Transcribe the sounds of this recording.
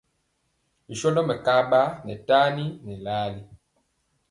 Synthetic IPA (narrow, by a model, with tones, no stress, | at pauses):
mi˨ʃɔ˦ndɔ˦mɛ˨ka˦ɓa˦nɛ˨ta˦ni˦nɛ˨laː˦li˦